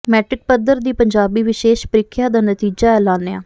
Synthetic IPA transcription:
mɛːʈɾɪk̚pəd̪əɾd̪iːpəɲd͡ʒaːbiːʋɪʃeːʃpəɾɪkʰjaːd̪aːnət̪iːd͡ʒaːɛːlaːneã̰ː

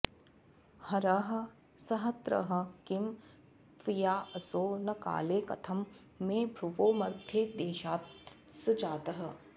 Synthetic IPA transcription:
hɐɾɐɦɐ̆ | sɐɦɐt̪ɾɐ̰ɦɐ̆kɪm | t̪ʋijaːɐsoːnɐka̰ːleːkɐ̰t̪ʰɐmː | ẽːbʱɾuʋoːmɐɾt̪ʰjeːd̪eːʃaːt̪ | sɨd͡ʒaːt̪ɐɦɐ̆

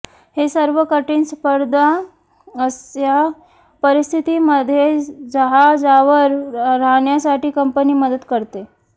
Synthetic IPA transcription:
hesəɾʋəkəʈiːnspəɾd̪ʱa | əsja | pəɾist̪ʰit̪iməd̪ʱːjed͡zəɦad͡zaʋəɾːaɦɳjasaʈiːkəmpəniːməd̪əd̪kəɾt̪e

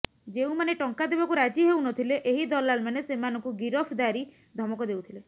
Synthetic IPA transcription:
d͡ʒeũmaneʈɔŋkad̪ebakuɾad͡ʒiɦewnɔt̪ʰileʔeɦid̪ɔlalmanesemanɔŋkuɡiɾɔpʰd̪aɾi | d̪ʱɔmɔkɔd̪ewt̪ʰile

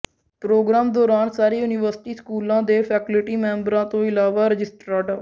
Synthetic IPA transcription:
pɾoːɡɾaːmd̪ɔːɾaːnsaːɾeːjuːnɪʋəɾsɪʈiːskuːlãːd̪eːpʰɛːklɪʈiːmɛ̃ːmbɾãːt̪õːɪlaːʋaːɾəd͡ʒɪsʈɾaːʈə

